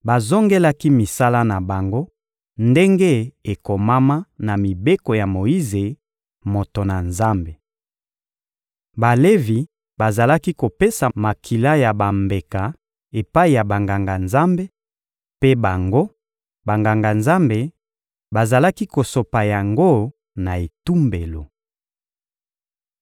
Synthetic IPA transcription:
ba˨zo˦ŋɡe˦la˦ki˦mi˨sa˦la˦na˨ba˨ŋɡo˦ | nde˦ŋɡe˦e˨ko˨ma˦ma˦na˨mi˨be˦ko˨ja˨mo˨i˦ze˨ | mo˨to˨na˨nza˦mbe˨ | ba˨le˦vi˨ | ba˨za˨la˦ki˦ko˨pe˦sa˨ma˨kʰi˨la˦ja˨ba˨mbe˨ka˨ | e˨pa˦i˨ja˨ba˨ŋɡa˨ŋɡa˨nza˦mbe˦ | pe˦ba˨ŋɡo˦ | ba˨ŋɡa˨ŋɡa˨nza˦mbe˨ | ba˨za˨la˦ki˦ko˨so˨pa˨ja˨ŋɡo˦ | na˨e˨tu˦mbe˨lo˨

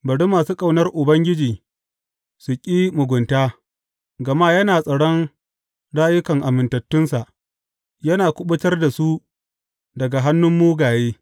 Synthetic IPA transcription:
bɐ˨ɽu˦mːaː˨suː˦kʼa˦˨wnɐ˦rʔʊ˨bɐ˦ŋɡʲɪ˦d͡ʒiː˨ | sʊ˨kʲʼiː˦mʊ˨ɡʷʊ˨ntaː˦ | ɡɐ˨maː˦jɐ˦naː˨sʼɐ˨ɽɔ˦n | ɽaː˦jʊ˦kɐ˨ŋʔa˨mɪ˨ntɐ˨tːʊ˦nsa˨ʔ | jɐ˦naː˨kʷʊ˦ɓʊ˦tɐ˦rda˨su˦ | dɐ˨ɡa˨ɦa˦nːʊ˦mːuː˦ɡaː˨jeː˦

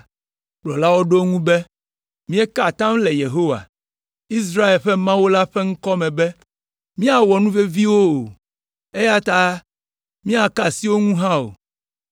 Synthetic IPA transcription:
ɡ͡blɔ˨la˦wo˦ɖo˦ŋũ˦be˦ | mĩ˦e˦ka˦˨t̪ã˦m˦le˨je˨ɦo˦wa̰˨ | i˦s̬ɾa˦e˨lɸɛ˦mã˦wo˦la˦ɸɛ˦ŋ̩˦kɔ˦mɛ̃˨bɛ˦ | mĩ˦a˨wɔ˨nũ˦ve˦vi˦wo˦o˨ | e˦ja˦t̪a˦ | mĩ˦a˨ka˨si˦wo˦ŋũ˦ɦã˦o̰˨

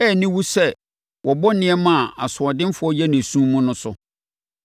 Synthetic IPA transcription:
ɛ˦˨nĩ˦wu˦sɛ˦ | wʔɔ˨bɔ˦nɪ̃˦ɛ˦mã˦˨a˨sʊ˨ɔ˨dɪ̃˦m˦fʊ˨˦ɔ˦jɛ˦næ̃˨sũ˦mʊ̃˦nʊ̃˦sʊ̰˦

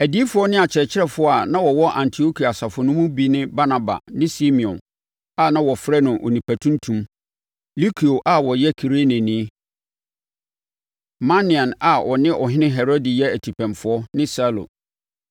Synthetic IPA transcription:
æ˨di˦fʊ˨ɔ˦nɪ̃˦a˨t͡ɕʰɪ˨ɾɛ˨t͡ɕʰɪ˦ɾɛ˦fʊ˦a˨nã˦wɔ˨wɔ˦ʔã̰˨ntʰi˨o˦kʰi˨a˨sa˨fʊ˨nʊ̃˦mʊ̃˦bi˨nɪ̃˦ba˦na˨ba̰˨nɪ̃˦si˦mĩ˨ɔ̃˨n | a˦˨nã˦wɔ˨fɾɛ˦nʊ̃˨ʔo̰˨nĩ˨pʰæ˨tʰũ˦ntʰũ˦m | li˦kʰi˨o˨ʔa˨wɔ˨jɛ˦kʰi˨ɾe˦nɪ̃˨nĩ˦ | mã˦nĩ˨ã˨na˨ɔ˨nɪ̃˦ʔɔ˨ɦɪ̃˦nɪ̃˦ɦɛ˨ɾo˦di˨jɛ˦æ˨tʰi˨pʰæ̃˨mfʊ˨˦ɔ˦nɪ̃˦sa˦lo̰˨

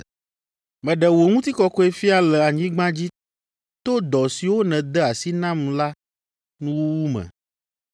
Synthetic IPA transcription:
mɛ̃˨ɖɛ˨wo˨ŋũ˦t̪i˦kɔ˦kɔ˦e˦fi˦a˨lɛ˨a˨ɲĩ˦ɡ͡bã˦d͡ʑi˦ | t̪o˦d̪ɔ˨si˨wo˦nɛ̃˨d̪ɛ˦a˨si˦nã˦m˨la˦ | nũ˦wu˦wu˦mɛ̰̃˨

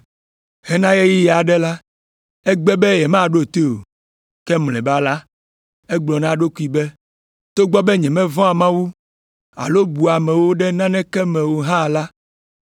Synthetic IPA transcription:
hɛ˦nã˦je˦ji˦ja˨ɖɛ˦la˦ | ɛ˦ɡ͡bɛ˦bɛ˦jɛ˨mã˦˨ɖo˦˨t̪e˦o̰˨ | kɛ˦mlɛ̰̃˨ba˦la˦ | ɛ˦ɡ͡blɔ˨nã˦ɖo˦ku˦i˨bɛ˦ | t̪o˦ɡ͡bɔ˦bɛ˦ɲɛ̃˨mɛ̃˦vɔ̃˦a˨mã˦wu˦ | a̰˨lo˦bu˨a˨mɛ̃˨wo˦ɖɛ˦nã˦nɛ̃˦kɛ˦mɛ̃˨wo˨ɦã˦˨la˦

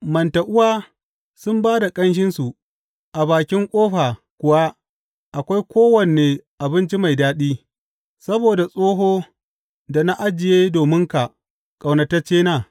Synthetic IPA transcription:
mɐ˨nta˨ʔʊ˦waː˦ | sʊ˦mbaː˦da˨kʼɐ˦nʃ̬ɪ˦nsu˨ | ʔa˨baː˨kʲɪ˦ŋkʷʼoː˦ɸaː˨ | kʷʊ˨wa˦ | ʔa˨kʷa˦jkʷoː˦wɐ˨n˨eː˨ʔa˨bɪ˦nt͡ʃi˦ma˨jdaː˦ɗiː˦ | sɐ˦boː˨da˨sʼoː˦ɦoː˦ | da˨na˦ʔa˦d͡ʒɪ˨jeː˦doː˨mɪ˦ŋka˨ | kʼa˨wnɐ˨tɐ˦t͡ʃeː˦naː˦˨

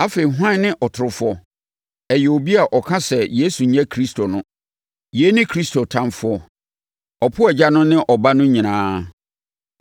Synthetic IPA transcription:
a˦fe˨i˨ɦʊ˦ã˦˨˦nɪ̃˦ʔɔ˨tʰʊ˨ɾʊ˨fʊ˦ɔ˦ | ɛ˨jɛ˨o˨bi˦a˨ʔɔ˨kʰã˦sɛ˨je˦su˨ɲã˦kʰɾi˦stʰo˨nʊ̃˦ | je˦nɪ̃˦kʰɾi˦stʰo˨tʰã˦nfʊ˦ɔ˦ | ɔ˨pʰʊ˦ɛ˨d͡ʑa˦nʊ̃˦nɪ̃˦ʔɔ˨ba˦nʊ̃˦ɲĩ˨nãː˦

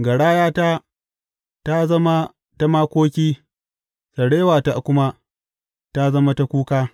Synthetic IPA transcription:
ɡɐ˨ɽaː˦jaː˦ta˦ | ta˦zɐ˦ma˦ | ta˦maː˦kʷoː˦kʲiː˦ | sɐ˨ɽeː˦waː˨ta˨kʷʊ˦ma˦ | ta˦zɐ˦ma˦ta˦kʷuː˦kaː˦

